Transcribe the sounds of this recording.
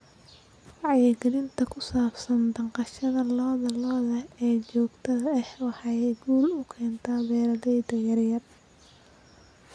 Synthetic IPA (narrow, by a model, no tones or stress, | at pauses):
fɑʕjɛɡɐlɪnt̪ʰɐkʰʊsaːbsɐnd̪ɐɴqɑʃɐðɐlɔːðɐlɔːðɐɛːt͡ʃɔːɡt̪ʰɐðɐɛħɑħɑjɛɡuːlʊkʰɛːnt̪ʰɐbɛːɾɐðɛjd̪ɐjɐrjɐr